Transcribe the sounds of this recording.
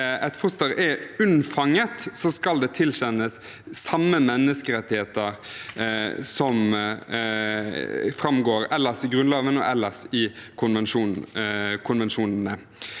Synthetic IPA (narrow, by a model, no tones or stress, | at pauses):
ɛt̪fʊst̪əɾɛɾʉnfɑŋːət̪sɔskɑld̪ɛt̪ʰɪlsɛnːəsː | ɑmːəmɛnːəskəɾɛt̪ːɪheːt̪əɾ | sɔm | fɾɑmɡoːɾɛlːəsɪɡɾʉnlɑːʋənɔ̰ʔɛlːəʁsɪkʰʊnʋɛnʂuːnkʰʊnʋɛnʂuːnnə